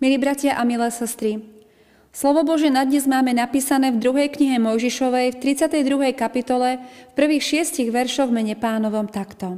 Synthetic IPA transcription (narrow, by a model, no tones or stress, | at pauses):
milibɾacɪaʔamilɛːsɛst̪ɾi | slɔʋɔbɔʒɪɛnad̪ɲɛzmaːmɛnapiːsanɛːvd̪ɾuɦɛjkɲiɦɛmɔjʒiʃɔʋɛjft̪ɾit͡sɪat̪ɛjd̪ɾuɦɛjkapit̪ɔlɛfpr̩ʋiːxʃɪɛsciɣʋɛɾʃɔɣvmɛɲɛpaːnɔʋɔmt̪akt̪ɔ